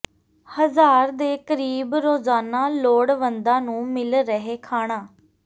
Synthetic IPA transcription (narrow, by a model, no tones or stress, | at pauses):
həzaːɾd̪eːkəɾiːbɾoːzaːnaːloːɽʋənd̪ãːnũːmɪlɾəɦeːkʰaːɽ̃aː